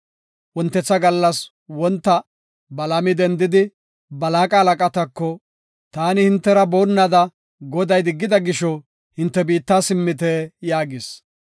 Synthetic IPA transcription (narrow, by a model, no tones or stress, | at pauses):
wɔnt̪ːɛt͡sːɐɡɐlːɐs | wɔnt̪ːɐ | bɐlɐmɪd̪ɛnd̪ɪd̪ɪ | bɐlaːkʼɐːlɐkʼɐt̪ɐkːɔ | t̪aːnɪhɪnt̪ːɛɾɐbo̞ːnːad̪ɐ | ɡɔd̪ɐjd̪ɪɡːɪd̪ɐɡɪʃɔ | hɪnt̪ːɛbiːt̪ːaːsɪmːɪt̪ɛjaːɡɪs